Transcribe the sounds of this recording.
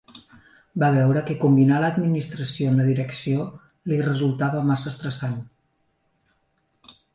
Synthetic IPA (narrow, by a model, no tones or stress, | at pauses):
baβ̞ɛwɾəkəkumbinaləːd̪minist̪ɾəsionləðiɾəksio | lirəzulˠt̪aβəmasəːst̪ɾəsan